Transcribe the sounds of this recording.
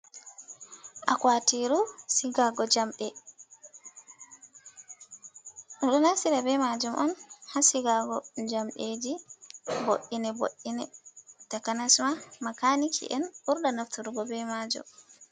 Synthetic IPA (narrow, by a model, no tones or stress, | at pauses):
ʔakwatiɾusiɡaɡɔd͡ʒamɓɛ | ɗuɗɔnasiɾabɛmad͡ʒumʔɔ̰nhasiɡaɡɔd͡ʒamɗed͡ʒibo̰ʔinɛbo̰ʔːinɛtakanasmamakanikʰḭʔɛnuɾɗanaftuɾuɡɔbɛmad͡ʒɔ̰m